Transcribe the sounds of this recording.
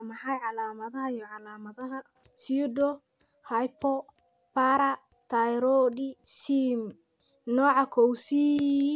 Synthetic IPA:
mɐħajʕɑlaːmɐðɐhɐjɔʕɑlaːmɐðɐɦɐ | sidɔ | hɐjpɔ | paɾɐ | t̪ʰajɾɔdisim | nɔːʕɑkʰɔwsi

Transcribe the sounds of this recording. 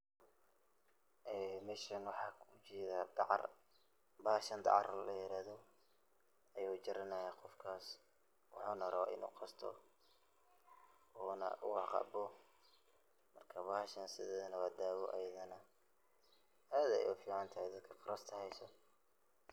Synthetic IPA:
ʔɛːmɛʃɐnwɑħɑːkʰʊt͡ʃɛːðaːd̪ɑ̰r | baːhʃɐnd̪ɑ̰ʕɑ̰rlɐjɪɾaːðɔ | ɐjot͡ʃɪɾɐnɐjɐqɔfkʰaːs | wɑ̰ħuːnɐɾɐw̰ɪ̰nṵːqɑst̪ʰɔ̰ | ɔːnɐ̰ʔʊwɑqɑ̰ːbɔ | mɐrkʰɐβahʃɐnsɪðɛːðɐnɐwaːd̪aːwɔʔɐ̰jɐðɐnɐ | aːðɐ̰jɔ̰fiːʕɑnt̪ʰɐhɛjd̪ɐd̪̚kʰɐqɑɾɐst̪ʰɐhɛjsɔ

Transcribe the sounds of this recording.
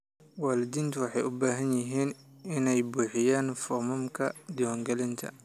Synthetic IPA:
waːlɪd̪iːnt̪ʰʊwɑħɑjʔʊbaːɦɐnjɪɦiːn | ɪnɛjbuːħɪjaːnfɔmʊmkʰɐd̪ɪwɔːŋɡɛlɪnt̪ʰɐ̰

